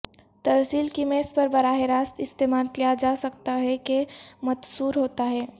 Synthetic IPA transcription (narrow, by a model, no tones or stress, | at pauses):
t̪ɐɾsiːlkimẽɪspɐɾbɐɾaːɦeɾaːst̪ɪst̪eːmaːlkijad͡ʒaːsɐk̚t̪aɦɛkemɐt̪suːɾɦoːt̪aɦɛː